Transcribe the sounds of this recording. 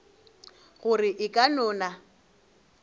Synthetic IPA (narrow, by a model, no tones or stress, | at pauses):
ɣʊrɪʔɪkʼanɔːna